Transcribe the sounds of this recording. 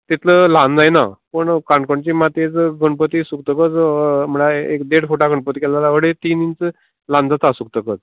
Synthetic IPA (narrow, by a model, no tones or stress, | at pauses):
t̪it̪ʰləlãnd͡zajna̰pəɳkãɳkoɳt͡ɕiːmat̪et͡sɡʱəɳpət̪iːsuk̚t̪əkət͡sm̤əɭaekd̪eɽfuʈaɡʱəɳpət̪ikɛlalaʋəɽet̪iːnint͡s | lãnd͡zat̪asuk̚t̪əkət͡s